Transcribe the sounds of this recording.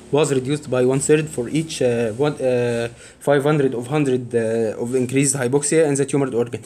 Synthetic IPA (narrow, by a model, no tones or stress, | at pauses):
wɑzɾɪd̪juːst̪bajwɑ̃nθeɾd̪fɔɾʔiːt͡ʃw | fajvhɑ̃nd̪ɾəd̪ɔvɦɑ̃nd̪ɾəd̪ɔvɪ̃nkɾiːzd̪hajbɔksiaæ̃nðæt̪juːməɾd̪ɔːɾɡãn